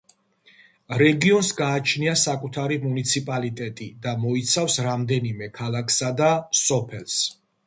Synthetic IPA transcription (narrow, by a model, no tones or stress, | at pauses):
ɾɛɡiɔnsɡaːt͡ʃʰniasakʼut̪ʰaɾimunit̪sʰipʼalit̪ʼɛt̪ʼid̪amɔit̪sʰafsɾamd̪ɛnimɛkʰalˠakʰsad̪asɔpʰɛls